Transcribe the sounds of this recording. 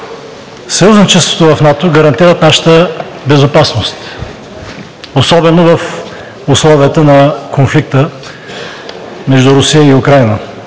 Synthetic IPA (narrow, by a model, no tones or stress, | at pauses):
sɐjuznit͡ʃɛst̪vo̥t̪ovɐfnat̪oɡɐɾɐnt̪iɾət̪naʃə̥t̪ə | bɛzopasnost̪ | osɔbɛnovɐf | ʊslˠɔviət̪ənɐkʰonflik̚t̪ə | mɛʒd̪uɾʊsijəiʊkɾajnə